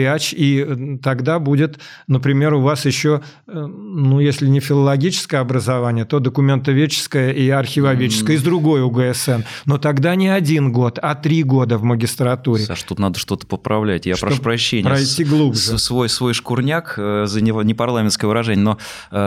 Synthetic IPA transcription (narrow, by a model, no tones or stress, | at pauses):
at͡ɕit̪ɐɡd̪abudʲɪt̪ | nəpɾʲɪmʲe̞ɾʊvasjɪɕːo̞ | nujesʲlʲɪnʲɪfʲɪlˠəlˠɐɡʲit͡ɕɪ̥skəjəɐbɾəzɐvanʲɪjət̪od̪əkʊmʲe̞nt̪əvʲet͡ɕːɪ̥skəjəʔiɐrxʲɪvɐvʲet͡ɕɪ̥skəjɪzd̪ɾʊɡo̞jʊɡəɛsɛnno̞t̪ɐɡd̪anʲɪɐdʲinɡo̞t̪ɐt̪ɾʲiɡo̞d̪əvməɡʲɪst̪ɾɐt̪uɾʲɪaʂt̪ut̪nad̪əʂt̪o̞t̪ə̥pəpɾɐvlʲætʲjaʂpɾɐʂupɾɐɕːenʲɪpːɾɐjt̪ʲːiɡlˠubʐɨsvo̞jsvo̞jʂkʊrnʲakzənʲɪnʲɪpɐrlˠamʲɪnskəjəvəɾɐʐɛnʲɪjəno